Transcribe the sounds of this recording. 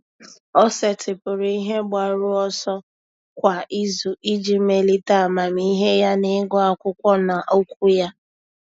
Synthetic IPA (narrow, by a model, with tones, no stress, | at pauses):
ɔ˦se˨tɪ˨pʊ˨ɾʊ˨i˦ɦe˦ɡ͡ba˨ɾʊ˦ɔ˦sɔ˦ | kʷa˨i˦zu˨ʔi˦d͡ʒi˨me˨li˦ta˨a˨ma˨mi˦ɦe˦ja˦nɪ˦ɡɔ˦a˨kʷʊ˦kʷɔ˦na˨ʔo˦kʷu˦ja˦